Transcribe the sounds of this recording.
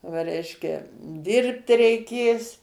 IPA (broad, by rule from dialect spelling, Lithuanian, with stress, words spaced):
ʋɐ ˈrʲɛɪʃʲkʲɛ ˈdʲɪrpt rʲɛɪˈkʲeːs